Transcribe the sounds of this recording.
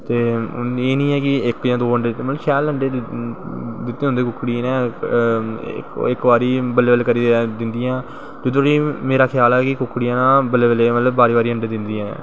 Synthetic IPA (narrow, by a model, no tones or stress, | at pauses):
t̪eːeːnĩːɛːkɪɪkʋjãːd̪oːəɳɖeːt̪ːməəʃɛːləɳɖeː | d̪ɪt̪ːẽːʊ̃nd̪eːkʊkːɽinɛ̃ː | kɪkʋaːɾiːbəleːbəleːkəɾiːd̪ɪnd̪ijãː | d͡ʒɪd̪õːɾiːmeːɾaːkʰɪjaːlɛːkɪkʊkːɽijãːnãːbəleːbəleːmət̪ləbbaːɾiːbaːɾiːəɳɖeːd̪ɪnd̪iːɛ̃ː